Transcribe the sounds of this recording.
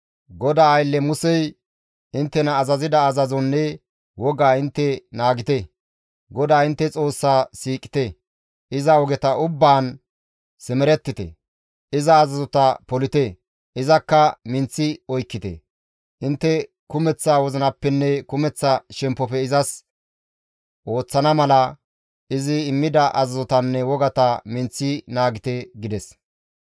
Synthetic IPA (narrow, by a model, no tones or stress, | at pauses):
ɡɔd̪aːjlːɛmʊsɛj | ɪnt̪ːɛnɐːzɐzɪd̪ɐːzɐzɔnːɛ | wɔɡaːɪnt̪ːɛnaːɡɪt̪e | ɡɔd̪aːɪnt̪ːɛt͡sʼo̞ːsːaːsiːkʼːɪ̥t̪e | ʔɪzɐwɔɡɛt̪ɐʔʊbːaːn | sɪmɛɾɛt̪ːɪt̪ɛ̰ | ʔɪzɐːzɐzɔt̪ɐpɔlɪt̪e | ʔɪzɐkːɐmɪnt͡sːɪɔjkːɪt̪ɛ̰ | ʔɪnt̪ːɛ | kʊmɛt͡sːaːwɔzɐnɐpːɛnːɛkʊmɛt͡sːɐʃɛmpːɔpɛɪzɐs | ʔo̞ːt͡sːɐnɐmɐlɐ | ɪzɪːmːɪd̪ɐʔɐzɐzɔt̪ɐnːɛwɔɡɐt̪ɐmɪnt͡sːɪnaːɡɪt̪eɡɪd̪ɛs